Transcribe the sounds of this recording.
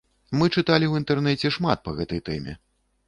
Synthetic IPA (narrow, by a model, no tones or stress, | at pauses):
mɨt͡ʂɨt̪alʲiwint̪ɛrnɛt͡sʲɛʂmat̪̚pɐɣɛt̪ɐjt̪ɛmʲɛ̰